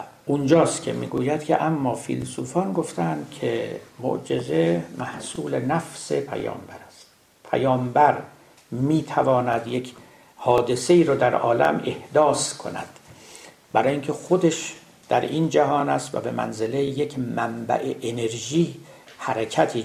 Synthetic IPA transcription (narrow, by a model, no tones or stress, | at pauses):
und͡ʒɒːst̪kʰe̞̰mḭːɡuːjæd̪̥kcʰḛʔæmːɒːfḭlsuːfɒːnɡo̞ft̪ʰænd̪̥̚kʰemo̰ʔd͡ʒezemæhsuːlenæfse̞pʰæ̰jɒ̰ːmbæɾæst̪ | pʰæ̰jɒːmbæɾ | miːt̪ʰævɒːnæd̪je̞kʰ | hɒːd̪e̞se̞iːɾɒːd̪æɾɒːlæ̰me̞hd̪ɒːskʰo̞næ̰d̪̥ | bæɾɒːjiŋcʰe̞xo̞d̪eʃ | d̪̥æɾind͡ʒæɦɒːnæst̪væ̰be̞mæ̰nzele̞jecʰmæmbæ̰ʔeʔene̞ɾʒiː | hæɾecʰæt̪ʰiː